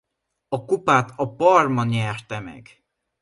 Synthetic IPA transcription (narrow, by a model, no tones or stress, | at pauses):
ɒkupaːt̪ɒpɒrmɒnɛrt̪ɛmɛ̰ɡ